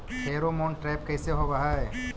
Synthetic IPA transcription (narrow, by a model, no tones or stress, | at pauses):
ɦeːɾomõːɳʈɾɛːp̚kɛːseɦobɐɦaɛː